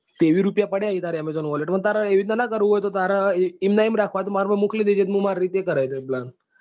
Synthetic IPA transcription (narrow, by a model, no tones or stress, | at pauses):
t̪eʋiːɾupjapəɽeaɦit̪aɾɛmed͡zɔnʋɔleʈməɳt̪aɾaeʋid̪nanakəɾuʋojt̪ot̪aɾaimnaimɾakʰʋat̪umaɾbəmukʰlid̪ed͡ʑet̪muɡmaɾːiːt̪ekəɾajt̪eblan